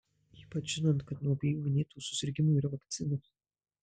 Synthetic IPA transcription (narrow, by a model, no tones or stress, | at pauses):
iːpɐt͡ʃʒʲɪnɐnt̪kɐt̪nuɔbʲɛjuːmʲɪnʲeːt̪uːsʊsʲɪɾʲɡʲɪmuiːɾɐʋɐkt̪sʲɪnɐs